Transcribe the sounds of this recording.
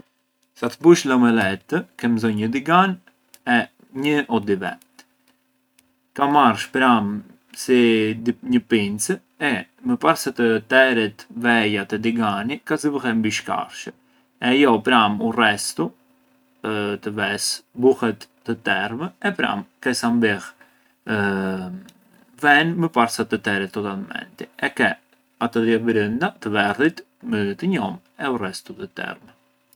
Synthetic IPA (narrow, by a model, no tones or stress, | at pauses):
sat̪əbuʃlɔmɛlɛt̪ːəkɛmzɔɲəd̪iɡan | ɛ | ɲəʔɔd̪ivɛ̰t̪ | kamarʃpɾam | sid̪ɲəpint͡sə | ɛməpaɾsət̪ət̪ɛɾit̪vɛjat̪ɛd̪iɡanikazəbəɦɛmbiʃka̰ɾʃə | ɛjɔpɾamurɛst̪u | t̪əvɛsbuhɛt̪ːət̪ɛrməɛpɾa̰mkɛsambɛh | vɛnməpaɾsat̪ət̪ɛɾɛt̪ːɔt̪almɛ̰nt̪iɛkɛ | at̪ɔðɛbɾənd̪at̪əvɛrit̪ | mət̪əɲɔm | ɛurɛst̪ut̪ət̪ɛ̰ɾmɛ